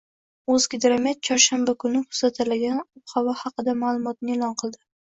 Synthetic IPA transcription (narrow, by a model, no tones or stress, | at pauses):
ozɡʲɪd̪ɾamet̪̚t͡ʃʰɒɾʃanbakʰʊnɪkʰʊ̥sat̪ʰalaɡʲanʊphavahɑqɨd̪amalˠʊmɒt̪nɪelˠɒnqʰɨlˠd̪ɪ